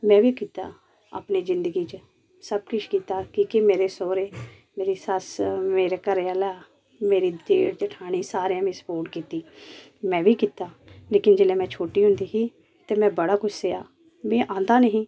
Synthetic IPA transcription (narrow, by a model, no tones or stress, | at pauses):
mɛ̃ːʋiːkiːt̪a̰ː | a̰ːpniːzɪnd̪əɡiːt͡ʃə | səb̚kʊʃkiːt̪aːkiːkemeːɾeːsoːɾeː | meːɾiːsəsmeːɾeːkəɾeːəlaː | meːɾiːd͡ʒ̪eːɽd͡ʒəʈʰaːɽ̃iːsaːɾeãːmẽsə̥poːʈkiːt̪iː | mɛ̃ːʋiːkiːt̪aː | leːkɪnd͡ʒeːleːmɛ̃ːt͡ʃʰoːʈiːɦʊ̃nd̪iːɦiː | t̪eːmɛ̃ːbəɽaːkʊt͡ʃseːaː | mɛ̃ːʔãːnd̪aːnəɦĩː